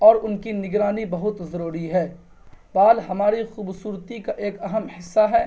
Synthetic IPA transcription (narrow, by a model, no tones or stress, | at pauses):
ɔːɾʊnkinɪɡɾaːnibɐɦʊt̪zɐɾuːɾiɦɛː | baːlɦɐmaːɾixuːbsuːɾt̪ikaʔeːkɐɦəmhɪsːaɦɛː